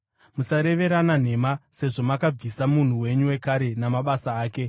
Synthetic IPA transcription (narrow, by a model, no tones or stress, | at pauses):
musaɾe̞ʋe̞ɾanan̤e̞mase̞ʐo̞makab͡visamun̤uwe̞ɲuwe̞kaɾe̞namaɓasaːke̞